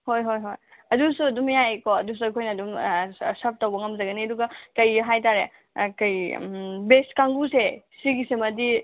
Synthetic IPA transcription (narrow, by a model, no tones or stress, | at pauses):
hojɦojɦoj | ɐdusuɐdumjajkoɐdus̬uɐkʰojnɐːdumsɐp̚tɐwbɐŋɐmzɐɡɐniɐduɡɐkɐjɦajtaɾe | kɐjbeskaŋɡusesiɡisemɐdi